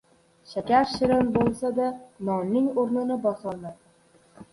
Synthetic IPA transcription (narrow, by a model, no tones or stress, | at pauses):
ʃakʲaɾʃɪɾɪnbolˠsad̪anɒnːɪŋoɾnɪnɪbɒχɑlˠd̪a